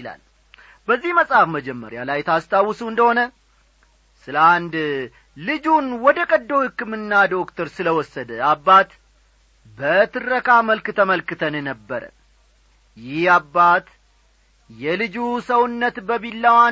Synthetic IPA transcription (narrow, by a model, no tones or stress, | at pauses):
la̰l | bəzːihməsʼhafməd͡ʒɛmːə̰ɾja̰lajt̪ʰast̪ʰawːɨsuɨnd̪əhonə | sɨləand̪ | lɨd͡ʒunwɔd̪əkʼəd̪ːohɨkːɨmɨnːad̪o̞kt̪ʰəɾsɨləwɔsːəd̪əabːat̪ | bət̪ʰɨrəkaməlkɨt̪ʰəməlkɨt̪ʰənnəbːəɾə̰ | jɪhabːat̪ | jɛlɨd͡ʒusəwʊnːət̪bəβilːawa